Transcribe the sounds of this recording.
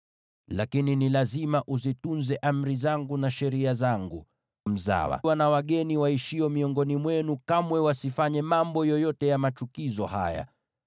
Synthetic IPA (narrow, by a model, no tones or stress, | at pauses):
lakininilazimaʔuzitunzɛʔam̩ɾizaŋɡunaʃɛɾiazaŋɡṵ | m̩za̰wa̰wanawaɠɛniwaiʃiɔmiɔŋɡɔnimwɛnukamwɛwasifaɲɛmambɔjɔjɔtɛjamat͡ʃukizɔha̰ja̰